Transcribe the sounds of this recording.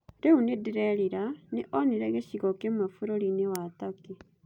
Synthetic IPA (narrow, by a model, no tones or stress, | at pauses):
ɾeunedeɾɛɾiɾaneʔɔniɾɛɣeɕiɣɔkemafuɾoɾinewat̪ake